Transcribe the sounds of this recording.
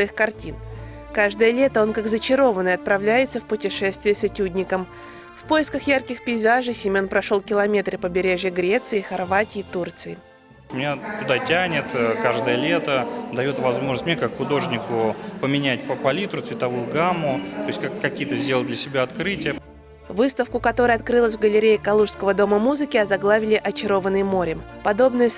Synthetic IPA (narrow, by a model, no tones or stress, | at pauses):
ɐixkɐrtʲin | kaʐd̪əjəlʲe̞t̪əo̞nkakɡzət͡ɕɪɾo̞vənːəjɐt̪̚pɾɐvlʲæjɪt̪səfpʊtʲɪʂɛst̪vʲɪjəsɐtʲudʲnʲɪkəm | fpojɪskəxjarkʲɪxpʲɪɪzaʐɨsʲimʲonpɾɐʂo̞lˠkʲɪlˠɐmʲe̞t̪ɾɨpəbʲɪɾʲeʐjəɡɾʲe̞t̪sɨɪxɐrvatʲɪːt̪urt̪sɨɪ | mʲɪnʲat̪ʲʊd̪atʲænʲɪt̪kaʐd̪əjəlʲet̪əd̪ɐjo̞t̪vɐzmo̞ʐnsʲtʲmʲnʲekakxʊd̪o̞ʐnʲɪkʊpəmʲɪnʲæt̚ʲpəpɐlʲit̪ɾʊt̪svʲɪt̪ɐvujʊɡamːʊt̪o̞ɪsʲkakkːɐkʲijət̪əzʲdʲelˠd̪lʲəsʲɪbʲaɐt̪kɾɨtʲɪjə | vɨst̪əfkʊkɐt̪o̞ɾəjɐt̪kɾɨlˠəsʲvɡəlʲɪɾʲejɪkɐlˠuʂskəvəd̪o̞məmuzɨkʲɪɐzɐɡlˠavʲɪlʲɪʔɐt͡ɕɪɾo̞vənːɨjmo̞ɾʲɪpɐd̪o̞bnɨjə